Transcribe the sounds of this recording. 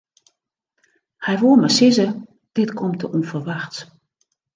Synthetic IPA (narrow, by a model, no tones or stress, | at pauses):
hɛjʋoːmasɪzə | d̥ɪtkʰɔmtʰəʔɔnfərʋaxt